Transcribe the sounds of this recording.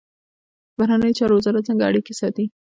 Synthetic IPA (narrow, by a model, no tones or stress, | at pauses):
baɾanəjot͡ʃɑɾowazɑɾat̪̚t͡səŋɡaaɽikesɑt̪i